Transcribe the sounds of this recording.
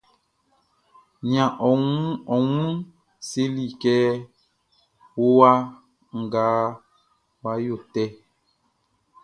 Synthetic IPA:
ɲã˨ʔɔ˨ŋũ˦ɔ˨ŋũ˦ | se˦li˨kɛ˦ | wo˦wa˦ | ŋ̩˨ɡaː˨˦ | wa˦jo˦˨tɛ˦

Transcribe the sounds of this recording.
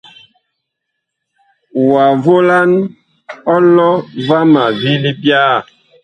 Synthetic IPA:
wa˨vo˦la˦n | ɔ˦lɔ˦va˦ma˨vi˦li˦bja˦˨

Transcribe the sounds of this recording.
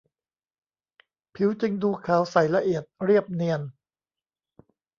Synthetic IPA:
pʰi˩˦wt͡ɕɯ˧ŋduː˧kʰaː˨˩˦wsa˨˩jla˧ʔi˨˩ət̪̚ɾi˥˩əp̚ni˧ən

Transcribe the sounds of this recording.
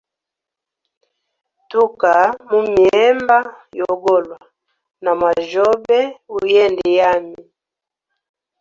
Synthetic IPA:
tu˦ka˨mu˦mi˨ɛ˦mba˦jɔ˨ɡɔ˦˨lwa˨ | na˨mwa˨ʒɔ˦bɛ˦u˦jɛ˦ndi˨ja˦mi˨

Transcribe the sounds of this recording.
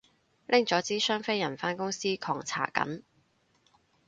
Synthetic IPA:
lʔɪ˥ŋt͡sɔː˨˥t͡siː˥sœː˥ŋfe˥jɐ˨˩nfaː˥nkʊ˥ŋsiː˥kʰɔː˨˩ŋt͡sʰa̰ː˨˩kɐ̰˨˥m

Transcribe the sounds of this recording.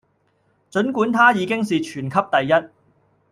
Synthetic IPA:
t͡ʃɵ˨˥nkuː˨˥nt̪ʰaː˥jiː˨˧kɪ˥ŋsiː˨t͡ʃʰyː˨˩nkʰɐ˥p̚t̪ɐ˨jːɐ˥t̚

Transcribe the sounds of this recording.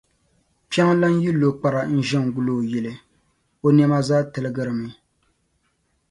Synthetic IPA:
pi˦a˦ŋ˦la˦n˦ji˦lːo˨k͡pa˨ɾa˨n̩˦ʒɛ˦ŋ˨ɡu˦lo˨jɛ˨lɨ˨ | o˦nɛ˦ma˦zaː˦tɨ˨lɨ˦ɡɨ˦ɾɨ˨mɨ˨

